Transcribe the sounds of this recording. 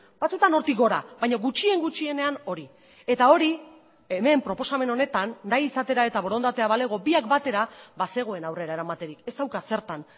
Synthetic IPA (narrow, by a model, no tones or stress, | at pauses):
b̥at͡sut̪ano̞ɾt̪iɡo̞ɾaβajɲo̞ɣut͡ʃie̞ŋɡut͡ʃie̞ne̞ano̞ɾi | e̞t̪ao̞ɾi | eme̞mpɾo̞po̞same̞no̞ne̞t̪anːajisat̪e̞ɾae̞t̪aβo̞ɾo̞nd̪at̪e̞aβale̞ɣ̞o̞biakbat̪e̞ɾabase̞ɣ̞o̞e̞nawre̞ɾaeɾamat̪e̞ɾike̞st̪awkase̞ɾt̪an